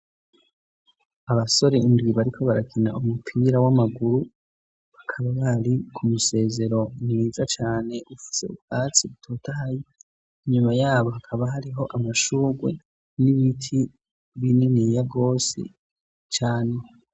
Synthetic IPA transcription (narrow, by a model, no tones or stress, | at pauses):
aβaso̞ɾeindwiβaɾikʰo̞βaɾakʰinaʔumupʰiːɾawamaɡuɾu | βakʰaβaβaɾikʰumuse̞ːze̞ɾo̞niːzat͡ʃaːne̞ʔufi̥se̞ṵbɡat͡siβutʰo̞ːtahaji | iɲumajaːβo̞ɦakʰaβaɦaɾiɦo̞ʔamaʃuːɡwe̞̰ | niβitʰi | βininijaɡo̞ːsḛ | t͡ʃaːne̞